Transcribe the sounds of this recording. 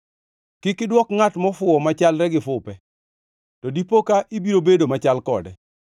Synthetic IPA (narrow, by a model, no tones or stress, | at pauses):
kɪkɪdwɔkŋatmɔfʊɔmat͡ʃalɾɛɡɪfʊpɛ | tɔdipokaʔibiɾobedomat͡ʃalkɔ̰dɛ